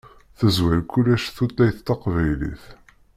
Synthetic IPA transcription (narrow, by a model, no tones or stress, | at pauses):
θəzwælkːulːæʃθut̪ːæjθt̪ːɑqvæjlḭθ